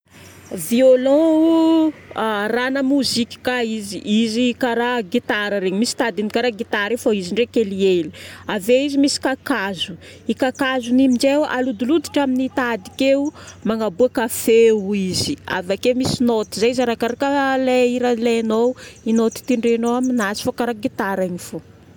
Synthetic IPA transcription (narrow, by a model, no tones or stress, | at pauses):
violɔ̃u | ranəmuzikʲi̥kaiziʔizikaɾaɡit̪aɾəɾeɲimisi̥t̪ad̪inikaɾaɡit̪aɾefaiziɳɖ͡ʐekelieliaveizimisi̥kakazu | ikakazunimid͡ʒewalud̪ulud̪iʈ͡ʂaminit̪ad̪i̥kewumaŋabuakafeuizia̰vakemisinot̪izaizaɾakaɾakəleiɾalenoinot̪i̥t̪iɳɖ͡ʐenoaminazi̥fokaɾaɡit̪aɾaɲifo